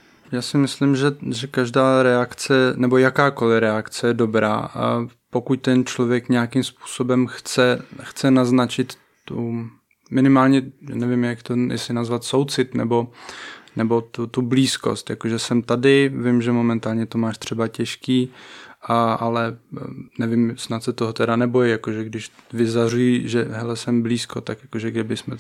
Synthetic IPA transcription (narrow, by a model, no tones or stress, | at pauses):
jaːsɪmɪslɪmʒɛʒɛkaʒdaːɾɛakt͡sɛnɛbojakaːko̞lɪɾɛakt͡sɛjɛdo̞bɾa̰ːpo̞kuc̚t̪ɛnt͡ʃlo̞vjɛkɲɛakɪmspu̥ːso̞bɛmxt͡sɛxt͡sɛnaznat͡ʃɪt̪ | t̪u | mɪnɪmaːlɲɛja̰ːnɛvɪmjakt̪ojɛ̰sɪnazvat̪sowt͡sɪt̪nɛ̰bo̞nɛbo̞t̪ut̪ubliːsko̞̰st̪jakoʒɛsɛmt̪adɪvɪmʒɛmo̞mɛnt̪aːlɲɛt̪omaːʃt̪r̝̥ɛbacɛʃkiːʔaʔalɛnɛvɪmsnat̪sɛt̪oɦot̪ɛɾanɛbo̞jɪjakoʒɛɡdɪʃ | vɪzar̝ujiʒɛɦɛlɛsɛmbliːskot̪akjakoʒɛɡdɪbɪsmɛ